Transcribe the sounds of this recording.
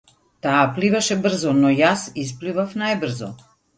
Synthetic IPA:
t̪aːplivaʃɛbr̩zɔnɔjasisplivafnajbr̩zɔ̰

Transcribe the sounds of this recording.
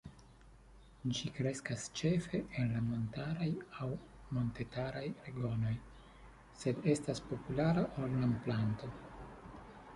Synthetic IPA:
d͡ʒikɾe̞skast͡ʃe̞fe̞enlamo̞ntaɾajaw | mo̞nte̞taɾajɾeɡo̞no̞j | se̞de̞staspo̞pulaɾaʔolnamplanto̞

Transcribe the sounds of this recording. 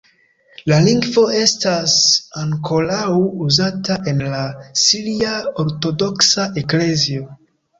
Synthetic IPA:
laliŋɡvo̞e̞stasaŋkʰo̞lawuzataʔe̞nlasiliaoɾto̞do̞ksaʔe̞kle̞zio̞

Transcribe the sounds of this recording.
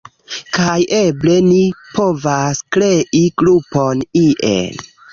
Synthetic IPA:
kajʔeble̞nipo̞vaskɾeʔiɡɾuponiʔḛn

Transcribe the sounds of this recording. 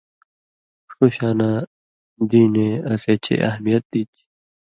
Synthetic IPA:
ʂuɕaːna | d̪iːneɐseːt͡ɕʰḛʔɐ̰ɦmijɐt̪̚d̪it͡ɕ

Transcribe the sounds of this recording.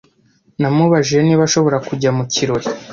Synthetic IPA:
namuβaʒieniβaʃo̞βo̞ɾakuɟamuciɾo̞ɾi

